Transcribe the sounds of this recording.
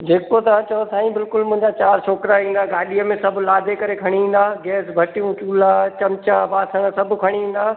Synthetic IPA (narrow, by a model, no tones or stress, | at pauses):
d͡ʑeːkot̪ɐãt͡ɕɐõsaːĩbɪlkʊlmʊ̃ɦɪ̃ɲd͡ʑat͡ɕaːɾʃʰoːkɾaɦĩːn̆d̪aːɡaːɗijəmẽsɐbʱlaːd̪ʱekɐɾekʰɐɽ̃iĩːn̆d̪aːɡɛːsbʱɐʈijũt͡ɕuːlat͡ɕɐmt͡ɕaʋaːsɐ̃ŋɡsɐbʱkʰɐɽ̃iĩːn̆d̪aː